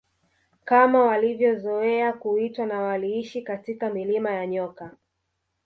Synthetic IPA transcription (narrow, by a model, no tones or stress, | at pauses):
kamawalivjɔzɔɛakuitwanawaliiʃikatikamilimajaɲɔka